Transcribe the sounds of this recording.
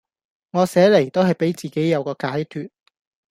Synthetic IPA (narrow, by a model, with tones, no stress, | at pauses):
ŋɔː˨˧sɛː˨˥le˨˩jt̪o˥wɦɐ˨jpe˨˥jt͡siː˨˩ke˨˥jːɐ˨˧wkɔː˧kaː˨˥jt̪ʰyː˨t̚